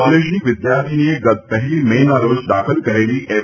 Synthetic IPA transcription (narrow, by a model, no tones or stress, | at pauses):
leʃniʋɪd̪jaɾt̪ʰinieɡət̪̚pəɦlimenaɾod͡ʒɖ̪akʰəlkəɾeliʔe